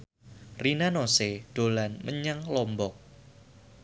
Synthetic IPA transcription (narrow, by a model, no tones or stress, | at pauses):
rinanoseɖ̥olanməɲaŋlɔmbɔk̚